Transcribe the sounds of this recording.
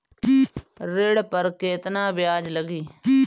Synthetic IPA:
ɾeːɽpəɾkeːt̪naːbjaːd͡ʒləɡiː

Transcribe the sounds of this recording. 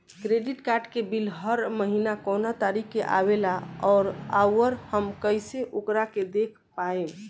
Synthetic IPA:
kɾeɖiʈkaɾʈkebilɦəɾməɦinakonat̪aɾikʰːeʔa̰βelaɔːɾawəɾhəmkəjseʔokɾaked̪ekʰpae

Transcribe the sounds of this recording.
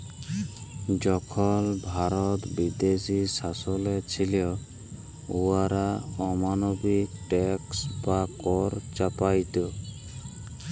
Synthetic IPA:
d͡ʒɔkʰɔlbʱaɾɔt̪bid̪esisasɔlet͡ʃʰiliɔ | uaɾaɔmanɔbikʈɛksbakɔɾt͡ʃapajt̪o

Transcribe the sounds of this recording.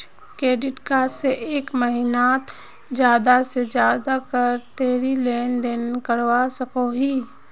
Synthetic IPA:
kɾeːɖɪʈkaːseʔeːkməɦɪnaːt̪ | d͡ʒjaːd̪ased͡ʒjaːd̪akəɾt̪eːɾileːnd̪eːnkəɾwasəkoɦiː

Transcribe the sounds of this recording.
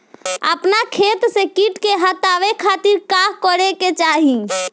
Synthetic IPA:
ə̰pnakʰet̪sekiʈkeɦət̪aʋekʰat̪iɾkakɔɽeket͡ʃaɦi

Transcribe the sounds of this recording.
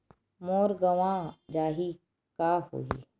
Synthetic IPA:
moːɾɡəʋãd͡ʒaːɦi | kaho̰ːḭː

